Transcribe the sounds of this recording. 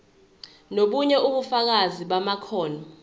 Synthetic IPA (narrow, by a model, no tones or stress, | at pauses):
noɓuɲɛʔuɓufak̬aziɓamakʰɔːnɔ